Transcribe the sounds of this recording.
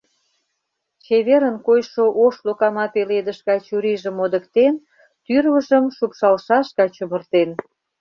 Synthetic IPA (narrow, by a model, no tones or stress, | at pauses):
t͡ɕeβeɾənkojʃoʔoʃlokɑmɑpeled̪əʃkɑjt͡ɕuɾiʒəmod̪ə̆kt̪en | t̪yrβəʒəmʃupʃɑlʃɑʃkɑt͡ɕəmə̆rt̪en